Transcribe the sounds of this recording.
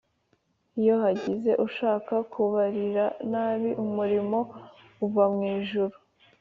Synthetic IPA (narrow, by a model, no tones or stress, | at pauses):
ijo̞haɟize̞ʔuʃaːkakʰuβaɾiɾanaːβiʔumuɾimo̞ː | vamŋiːʒuɾu